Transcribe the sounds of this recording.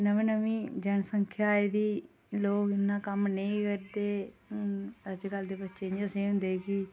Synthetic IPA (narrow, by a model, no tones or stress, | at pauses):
nəmĩːnəmĩːd͡ʒəɳsəŋkʰjaːeːd̪iː | loːkɪnːãːkəmnəĩːkəɾd̪eː | əd͡ʒɡəld̪eːbətːʃeːnĩəsẽːɦʊ̃nd̪eːkiː